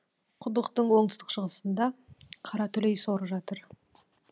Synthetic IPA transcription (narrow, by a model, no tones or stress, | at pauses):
qʰʊd̪əqt̪əɴwo̞ɴt̪əst̪ə̥qʃəʁəsənd̪ɑqʰɑɾɑt̪ʰɵlejsoɾəpʒɑt̪əɾ